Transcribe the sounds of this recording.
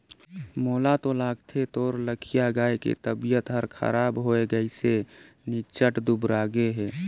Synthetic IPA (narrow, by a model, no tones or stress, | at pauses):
moːlat̪olaːɡt̪ʰet̪oːɾləkʰijaɡaːekḛt̪əbijət̪ɦəɾkʰə̰ɾaːbɦoeɡəise | nit͡ʃəʈd̪ubɾaːɡeɦɛː